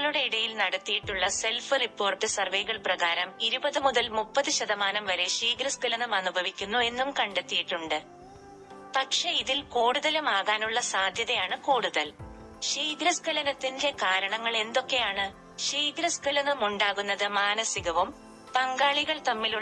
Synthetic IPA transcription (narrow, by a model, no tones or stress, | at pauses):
ɭuɽe̞iɽɐjilnɐɽɐt̪ːijiʈːuɭːɐse̞lfɨripːo̞ːrʈːɨsɐrʋejɣɐɭprɐɣaːɾɐmiɾubɐðɨmuðɐlmupːɐðɨɕɐðɐmaːnɐmʋɐɾe̞ʂiːɡɾɐskɐlɐnumɐnubʱɐʋikʲːunːue̞nːumkɐɳɖet̪ːijiʈːuɳɖɨ | pɐkʂe̞iðilkoːɽuðɐlumaːɣaːnuɭːɐsaːd̪ʱjɐðɐjaːɳɨkuːɽuðɐl | ʂiːɡɾɐskɐlɐnɐt̪ːinde̞kaːɾɐɳɐŋːɐɭe̞nd̪o̞kːe̞jaːɳɨ | ʂiːɡɾɐskɐlɐnːumuɳɖaːɣunːɐðɨmaːnɐsiɣɐʋum | pɐŋɡaːɭiɣɐɭt̪ɐmːilu